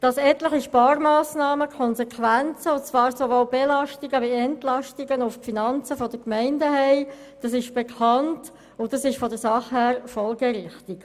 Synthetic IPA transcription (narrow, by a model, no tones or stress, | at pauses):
d̥ɑsɛtləχiʃpɑːɾmɑːsnɑːməkʰɔnszɛkʰʋænt͡səʊt͡sʋɑːɾsoʋolbɛlɑʃtiɡəʋiɛntlɑʃtiɡənʊffinɑnt͡səfɔdəkmɛɪndəɦɛɪd̥ɑsɪʃb̥ekʰɑnt | ʊdɑsɪʃfɔdəɾsɑχhæːɾfɔlɡɛɾɪχtik